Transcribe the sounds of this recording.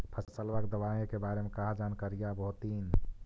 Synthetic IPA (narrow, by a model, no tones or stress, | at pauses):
pʰəsəsəlʋakd̪əβaẽkebaɾemekaɦad͡ʒankaɾijabəɦut̪in